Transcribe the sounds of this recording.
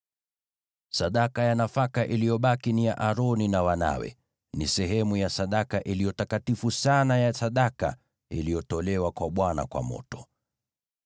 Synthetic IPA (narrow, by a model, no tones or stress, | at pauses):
saɗakajanafakaʔilijɔɓakinijaʔaɾɔninawana̰wɛ̰ | nḭsɛɦɛmujasaɗakaʔilijɔtakatifusanajasaɗaka̰ | ḭlijɔtɔlɛwakwaɓwana̰kwa̰mɔ̰tɔ̥